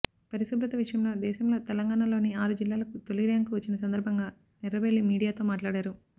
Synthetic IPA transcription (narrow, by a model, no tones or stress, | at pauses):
pɐɾisubɾɐt̪ɐʋiʂɐjɐmlo̞ːd̪ɛːʃɐmlo̞ːt̪ɛlɐŋɡaːɳalo̞ːniaːɾud͡ʒilːaːlɐkut̪o̞liɾaːŋkuʋɐt͡ʃːinɐsɐnd̪ɐɾbʱɐŋɡaː | niɾɐbeɭːimiːɽijaːt̪oːmaːʈlaːɽaːɾu